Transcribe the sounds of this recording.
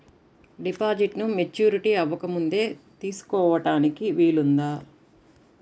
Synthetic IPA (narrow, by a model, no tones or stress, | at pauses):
ɖipaːd͡ʒiʈnumet͡ʃːuːɾiʈiːɐʋɐkɐmund̪e̞ːt̪iːsu̥kɔːʋɐʈaːnikiʋiːlund̪aː